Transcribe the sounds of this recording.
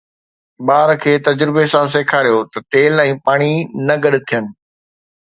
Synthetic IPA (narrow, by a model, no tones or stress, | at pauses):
ɓaːɾkʰeːt̪ɐd͡ʑɾɪbesãs̬eːkʰaːɾijot̪ɐt̪eːlɛ̃ːpaːɽ̃inɐɡɐɗt̪ʰijənɪ̆